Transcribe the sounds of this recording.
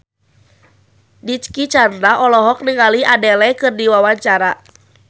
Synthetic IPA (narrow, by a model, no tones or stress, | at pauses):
dit͡ʃkit͡ʃand̪ɾaʔɔlɔɦɔk̚niŋaliadɛlɛkɨrdiwawaɲt͡ʃaɾa